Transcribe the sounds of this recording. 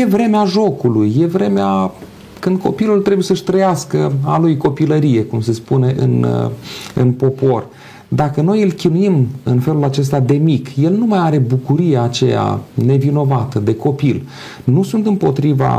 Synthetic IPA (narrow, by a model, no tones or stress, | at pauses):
je̞vɾe̞meaʒo̞kulujːe̞vɾe̞mea | kɨnd̪̚ko̞pilult̪ɾe̞bujesəʃʲt̪ɾəjaskəalujko̞piləɾije̞kumse̞spune̞ʔɨ̰n | ɨ̰npo̞po̞r | d̪akəno̞jɨlkʲinuimɨnfe̞lulat͡ʃe̞s̬t̪ad̪e̞mikje̞lnumajaɾe̞bukuɾije̞at͡ʃe̞̰ja̰ne̞vino̞vat̪əd̪e̞ko̞pil | nusunt̪ɨmpo̞t̪ɾiva̰